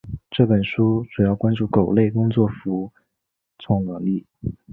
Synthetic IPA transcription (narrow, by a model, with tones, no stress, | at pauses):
ʈ͡ʂɤ˥˩pə˨˩nʂu˥ʈ͡ʂu˨˩jɑ˥˩ʊkwa˥nʈ͡ʂu˥˩ko˨˩ʊle˥˩ɪkʊ˥ŋt͡swɔ˥˩fu˧˥ | t͡sʰʊ˧˥˩ŋnɤ˧˥ŋli˥˩